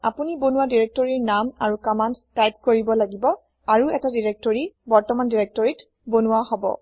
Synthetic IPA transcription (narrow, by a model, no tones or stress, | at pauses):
a̰punibonuwadiɹek̚tɔɹiɹnama̰ɹukɔmandtajp̚koɹibɔlaɡibɔ | aɹuɛtadiɹek̚tɔɹibɔɹtɔmandiɹek̚tɔɹit | bonuwaɦɔbɔ̰